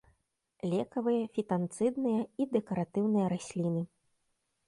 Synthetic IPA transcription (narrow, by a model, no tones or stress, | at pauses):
lʲɛkɐvɨjɐfʲit̪ant̪sɨd̪nɨjɐid̪ɛkɐɾat̪ɨwnɨjɐɾasʲlʲinɨ